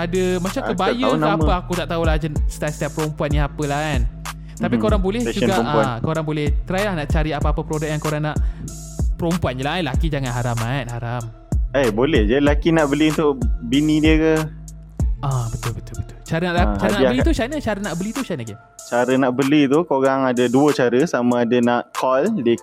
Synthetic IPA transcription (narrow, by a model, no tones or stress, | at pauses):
adəmat͡ʃakəbajuaapaakut̪aʔt̪aulad͡ʒənst̪at̪̚st̪ɛpːəɾompuanniapəlahkan | t̪apikoɾaŋbolɛhd͡ʒuɡaaakoɾaŋbolɛht̪ɾajlahnaʔt͡ʃaɾiapaːpəpəɾodak̚jaŋkoɾaŋnaʔ | pəɾompuand͡ʒəlaajlakid͡ʒaŋanɦaɾaman̚ɦaɾam | ajbolɛhd͡ʒadilakinaʔbəliunt̪ʊʔbinĩdiəkə | ʔabət̪ʊlbət̪ʊbət̪ʊlt͡ʃaɾənaʔat͡ʃaɾnabəlit̪ut͡ʃanət͡ʃaɾənaʔbəlit̪ut͡ʃanəki | t͡ʃaɾənaʔbəlit̪ukoɾaŋadəduət͡ʃaɾəsamãːdənaʔkʰɔldi